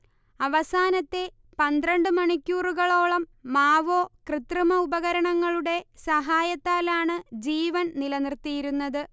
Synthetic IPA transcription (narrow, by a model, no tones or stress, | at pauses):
ɐʋɐsaːnɐt̪ːe̞ | pɐnd̪rɐɳɖɨmɐɳikʲːuːruɣɐɭo̞ːɭɐmːaːʋo̞ːkrɨt̪rɐmɐubɐɣɐɾɐɳɐŋːɐɭuɽe̞sɐɦaːjɐt̪ːaːlaːɳɨd͡ʑiːʋɐnnilɐnirt̪ːijiɾunːɐðɨ